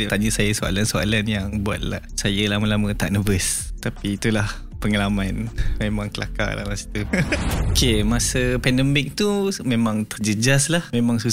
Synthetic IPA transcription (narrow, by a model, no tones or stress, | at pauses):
ət̪aɲəsajəsoa̰lansoa̰lanjaŋbua̰t̪̚la | sajəlaməlamə̃t̪aʔnəbəst̪apiːt̪ulah | pəŋalamanmemãŋkəla̰ka̰la̰masi̥t̪uokemasəpɛndəmɪk̚t̪umemãŋt̪ərd͡ʒəd͡ʒaslahmemãŋsu